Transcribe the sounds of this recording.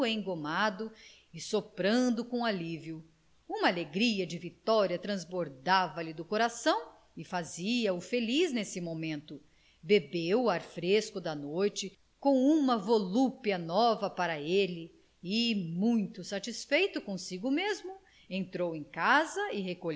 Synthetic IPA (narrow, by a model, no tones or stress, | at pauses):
ẽj̃ɡomad̪ʊ | ɪsopɾɐ̃nd̪ʊkõaliviʊ | ũmɐaleɡɾiɐd͡ʒɪvit̪ɔɾiɐt̪ɾɐ̃zboɾd̪avɐlɪd̪ʊkoɾasɐ̃w̃ | ɪfaziɐʊfeliznesɪmomẽnt̪ʊ | bebewaɾfɾeskʊd̪ɐnojt͡ʃɪ | kõw̃ũmɐvolupiɐnɔvɐpaɾɐelɪ | ɪmũj̃t̪ʊsat͡ʃisfejt̪ʊkõsiɡʊmezmʊ | ẽnt̪ɾowẽj̃kazɐɪɦeko